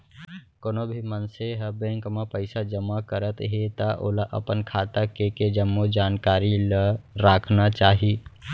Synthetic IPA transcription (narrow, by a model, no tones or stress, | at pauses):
koːnobʱimənseɦəbeŋkmapəɪsad͡ʒəmːakəɾət̪ɦet̪əʔo̰laʔə̰pənkʰat̪akeked͡ʒəmːud͡ʒaːnkaɾiləɾakʰnat͡ʃaːɦi